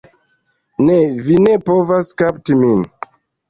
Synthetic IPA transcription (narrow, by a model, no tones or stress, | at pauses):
nevinepovaskap̚timin